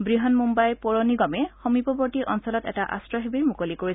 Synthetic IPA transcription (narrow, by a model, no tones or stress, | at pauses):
bɹiɦɔnmumbajpoɹoniɡɔmɛxɔmipɔbɔɹtiʔɔnsɔlɔtɛ̰taʔa̰stɹɔɦebiɹmukolikoɹis